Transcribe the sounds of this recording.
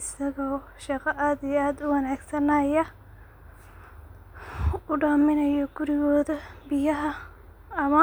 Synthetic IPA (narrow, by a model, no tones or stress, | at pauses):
ɪsɐɣɔː | ʃɑqɐʔaːd̪ɪaːd̪ʊwɐnaːɡsɐnajɐ | ʊɖaːmɪnɐjɔɡ̥ʊɾɪɣɔːðɐbɪjɐɦɐ | ɐmɐ